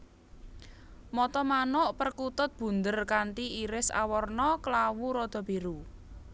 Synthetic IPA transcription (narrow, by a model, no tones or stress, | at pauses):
mɔt̪ɔmanʊʔpərkut̪ʊt̪̚b̥ṳnd̪ərkant̪iiɾɪsa̰wɔrnɔklawuɾɔd̪̥ɔ̤beɾu